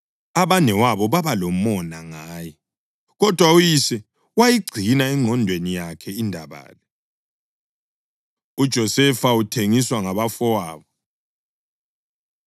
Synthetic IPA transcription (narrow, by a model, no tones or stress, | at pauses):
aβanɛwaβɔβaβalɔmɔnaŋaːjɛ | ɣɔd̥ʱwaujisɛ | wajiɡ͡ǀʱinaɛŋ͡ǃʱɔndʱwenijakʰɛindʱaβa̰ːlɛ | ud̥ʒ̥ʱɔsɛfautʰeŋiswaŋaβafɔwaːβɔ